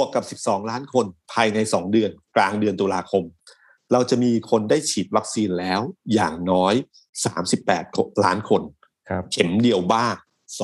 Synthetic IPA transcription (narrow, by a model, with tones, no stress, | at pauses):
u˧˩əkːa˨˩p̚si˨˩p̚sɔː˩˦ŋlaː˦˥nkʰo˧npʰaː˧jna˧jsɔː˩˦ŋdɯ˧ənklaː˧ŋdɯ˧nt̪uː˧laː˧kʰo˧m | ɾa˧wt͡ɕa˨˩ʔmiː˧kʰo˧ndaː˥˩jt͡ɕʰiː˨˩t̪̚wa˦˥k̚siː˧nlɛː˦˥wja̰ː˨˩ŋnɔː˦˥j | sa̰ː˩˦msi˨˩pːɛ̰ː˨˩t̪̚ʰlaː˦˥nkʰo˧n | t͡ɕʰe˩˦mdi˧əwbaː˥˩ŋ | s